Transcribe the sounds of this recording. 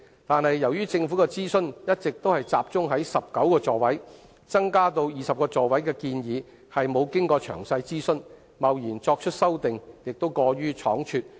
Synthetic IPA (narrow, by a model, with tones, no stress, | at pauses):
t̪aː˨nhɐ˨jːɐ˨˩wjyː˥t͡sɪ˧ŋfu˨˥kɛ˧t͡siː˥sɵ˥njɐ˥t̚t͡sɪ˨k̚t̪o˥whɐ˨jt͡saː˨p̚t͡sʊ˥ŋɦɐ˨˥jsɐ˨p̚kɐ˨˥wkɔː˧t͡sɔː˨˩wɐ˨˥j | t͡sɐ˥ŋkaː˥t̪o˧wjiː˨sɐ˨p̚kɔː˧t͡sɔː˨wɐ˨˥jkɛː˧kiː˧njiː˨˧ | hɐ˨jmo˨˧wkɪ˥ŋkɔː˧t͡ʃʰœː˨˩ŋsɐ˧jt͡siː˥sɵ˥n | mɐ˨wjiː˨˩nt͡sɔː˧k̚t͡ʃʰɵ˥t̚sɐ˥wt̪ɪ˨ŋjɪ˨k̚t̪o˥wkɔː˧ɥyː˥t͡ʃʰɔ̰ː˨˥ŋt͡ʃʰyː˧t̚